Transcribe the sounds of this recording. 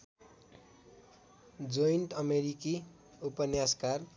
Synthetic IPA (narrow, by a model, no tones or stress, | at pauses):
d͡zoinʈʌmeɾiki | upʌnjaskar